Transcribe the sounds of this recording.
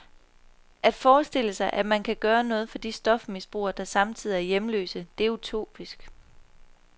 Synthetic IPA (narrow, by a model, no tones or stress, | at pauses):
ʔæd̥fɒːsd̥e̝l̰əsɑ̈ɪʔæ̥mænkʰæɡ̥ɶːɐnɔ̽ːð̞̩ˠfɒ̽d̥isd̥ɒ̽fmisb̥ʁṵːɐd̥ɑ̈sɑ̈mt͡sʰið̞̰ˠiæɐjemlø̰ːsəd̥e̝æut͡sʰo̝̰ːb̥isɡ̥